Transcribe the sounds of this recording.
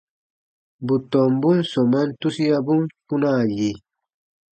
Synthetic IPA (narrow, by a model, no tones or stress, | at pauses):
but̪ombunsomant̪usijabuŋpunaɡi